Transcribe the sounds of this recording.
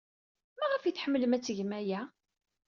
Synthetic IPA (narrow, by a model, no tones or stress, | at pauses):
mæʁəfjiθħəmːləmæt͡sːʝmæjæ